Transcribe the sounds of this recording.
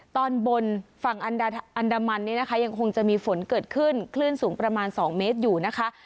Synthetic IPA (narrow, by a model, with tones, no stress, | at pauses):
t̪ɔː˧nbo˧nfa˨˩ŋʔa˧na˧ʔa˧ndaː˧ma˧nːi˦˥˩na˦˥kʰa˦˥ja˧ŋkʰo˧ŋt͡ɕa˨˩ʔmiː˧fo˩˦nkɤː˨˩t̪̚kʰɯ˥˩nkʰlɯː˥˩nsuː˩˦ŋpɾa˧maː˧nsɔː˩˦ŋmeː˦˥t̪̚juː˨˩na˦˥kʰa˦˥ʔ